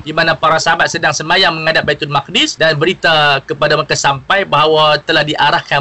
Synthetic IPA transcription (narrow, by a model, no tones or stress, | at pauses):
dimanãpaɾasəɦabat̪̚sədaŋsəmajaŋməŋadap̚bait̪ʊnmak̚dɪsdanbəɾit̪akəpadamakasampajbaɦawat̪əlahdiʔaɾahka